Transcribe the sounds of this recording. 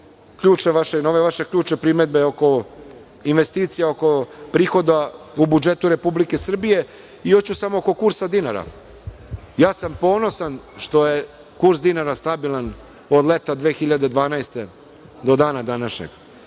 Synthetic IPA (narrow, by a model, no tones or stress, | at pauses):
kʎuːt͡ʃeʋaʃenoʋeʋaʃe̞kʎʲuːt͡ʃepɾimed̪̚beoko̞ | inʋe̞st̪iːt̪sijaoko̞pɾiːxo̞d̪aubud͡ʒet̪uɾe̞publike̞sr̩bije̞ | ijot͡ɕusamooko̞kuɾsad̪inaɾa̰ | jaːsampo̞ːno̞sanʃt̪o̞je | kuɾsd̪inaɾast̪abilˠan | od̪lˠet̪ad̪ʋeːxiʎad̪ed̪ʋaːnaest̪e̞ | d̪o̞d̪aːnad̪anaʃɲḛɡ